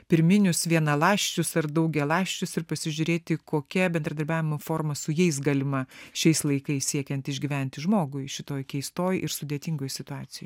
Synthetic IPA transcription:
pʲɪɾʲmʲɪnʲʊsʋʲiɛnɐlˠɑːʃʲt͡ʃʲʊsɐɾd̪ɐʊɡʲɛlˠɑːʃʲt͡ʃʲʊsɪɾpɐsʲɪʒʲʊɾʲeːt̪ʲɪkoːkʲɛbʲɛnd̪ɾɐd̪ɐɾʲbʲæːʋʲɪmofoːɾmɐsʊjɛɪsɡɑlʲɪmɐʃʲɛɪslˠɐɪkɐɪssʲiɛkʲɛnt̪ɪʒʲɡʲiːʋʲɛnʲt̪ʲɪʒmoːɡʊɪʃʲɪt̪oːjkʲɛɪst̪oːjʔɪɾsʊd̪ʲeɛt̪ʲɪŋɡoːjsʲɪt̪ʊɑːt̪sʲɪjoːj

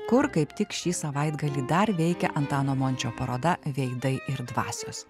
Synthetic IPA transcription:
kʊɾkɐɪpt̪ʲɪkʃʲiːsɐʋɐɪd̪ɡɐlʲiːd̪ɐɾʋʲɛɪkʲɛʔɐnt̪ɑːnoːmonʲt͡ʃʲoːpɐɾoːd̪ɐʋʲɛɪd̪ɐɪʔɪɾd̪ʋɑ̰ːsʲʊs

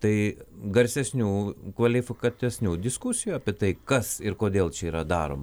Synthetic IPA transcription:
t̪ɐɪɡɐɾʲsʲɛsʲnʲuːkʋɐlʲɪfʲɪkɐt̪ʲɛsʲnʲuːd̪ʲɪskusʲɪjuːɐːpʲiɛt̪ɐɪkɐsɪɾkoːd̪ʲeːlˠt͡ʃʲɛiːɾɐd̪ɑːɾo̰ːmɐ

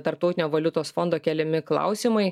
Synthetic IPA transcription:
t̪ɐɾp̚t̪ɔʊt̪ʲɪnʲoːʋɐlʲʊt̪oːsfond̪oːkʲɛlʲɛmʲɪklˠɐ̰ʊsʲimɐɪ

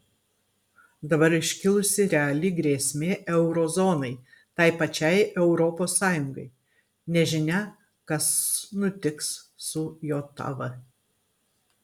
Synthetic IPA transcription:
d̪ɐbɐɾɪʃʲkʲɪlˠʊsʲɪɾʲɛɐlʲiːɡɾʲeːsʲmʲeːʔɛʊɾɔzoːnɐɪ | t̪ɐɪpɐt͡ʃʲɛɪʔɛʊɾɔpoːsːɑːjʊŋɡɐɪ | nʲɛʒʲɪnʲɛ | kɐsnʊt̪ʲɪkssʊjoːt̪ɐ̰ʋɐ

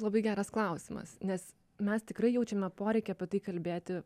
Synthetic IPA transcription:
lˠɐbɐɪɡʲæːɾɐsklˠɐʊsʲɪmɐ̰snʲɛs | mʲɛst̪ʲɪkɾɐɪjɛʊt͡ʃʲɛmʲɛɐpoːɾʲɛɪkʲɛɐpʲɛt̪ɐɪkɐlʲbʲeːt̪ʲɪ

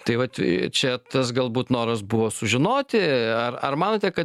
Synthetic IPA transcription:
t̪ɐɪʋɐt͡ʃʲɛt̪ɐs̬ɡɐlˠbuːt̪noːɾɐsbʊʋoːsʊʒʲɪnoːt̪ʲɪɐrɐ̰rmɑːnoːt̪ʲɛkɐ

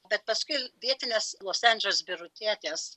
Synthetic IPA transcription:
bʲɛt̪̚pɐskʊɪʋʲiɛt̪ʲɪnʲeːslˠoːsænʲd͡ʒʲɛlʲsbʲɪɾʊt̪ʲɾʲiɛt̪ʲeːs

